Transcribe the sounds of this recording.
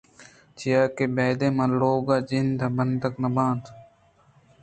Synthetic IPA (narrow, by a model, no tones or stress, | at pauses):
t͡ʃijaːkeːbeːd̪ẽːmãːloːɡaːd͡ʒind̪abənd̪əknɐbãːnt̪